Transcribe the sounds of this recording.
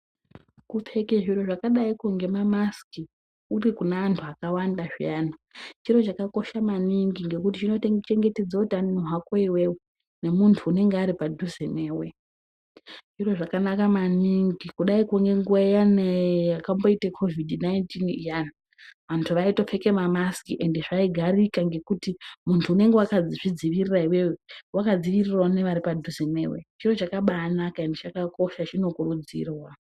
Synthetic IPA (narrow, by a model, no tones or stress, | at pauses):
kup͡fe̞keʐiro̞ʐakaɗaikuŋɡe̞mamaski | urikunaantʰuakawandaʐiaːnat͡ʃiro̞t͡ʃakako̞ʃamaniŋɡiŋɡe̞kutit͡ʃino̞tet͡ʃeŋɡe̞ted͡zautaninoɦwakoiwe̞wo | ne̞muntʰuːne̞ŋɡeaɾipadʱuzeneːwe̞ | ʐ̥iro̞ʐakanakamaniŋɡikuɗaikuŋɡe̞ŋɡuajanejakambo̞itekʰo̞vidnajntinjan | ʋantʰuʋaito̞fe̞ke̞mamaskiʔe̞ndeʐaiɡʱaɾikaŋɡe̞kutimuntʰuːne̞ŋɡe̞wakad͡ziʐ̥id͡ziʋiriraiwe̞wewakad͡ziʋiriraune̞ʋaɾipadʱuzene̞̰wet͡ʃiro̞t͡ʃakaɓanakaendet͡ʃakako̞ʃat͡ʃino̞kuɾud͡zḭːrwa